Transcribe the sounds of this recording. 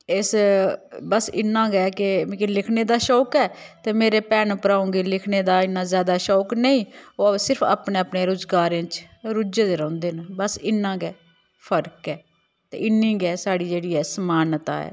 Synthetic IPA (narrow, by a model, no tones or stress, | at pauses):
ɪs | bəsɪnːãːɡɛːkekɪlɪkʰneːd̪aːʃɔːkɛːt̪eːmeːɾeːpɛːnpəɾaːũːŋɡeːlɪkʰneːd̪aːɪnːãːzjaːd̪aːʃɔːknəĩːoːsɪɾpʰa̰ːpneːaːpneːɾozɡaːɾẽːt͡ʃ | ɾʊd͡ʒed̪eːɾɔ̃ːnd̪eːnbəsɪnːãːɡɛː | pʰəɾkɛː | t̪ḛːɪnːĩːɡɛːsaːɽiːd͡ʒeːɽiːɛːsəmaːnt̪a̰ːɛ̰ː